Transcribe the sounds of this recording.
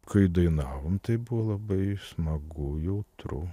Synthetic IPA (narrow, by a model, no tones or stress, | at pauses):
kɐɪd̪ɐɪnɑːʋomt̪ɐɪbʊʋolˠɐbɐɪsmɐɡʊjɛʊt̪ɾʊ̰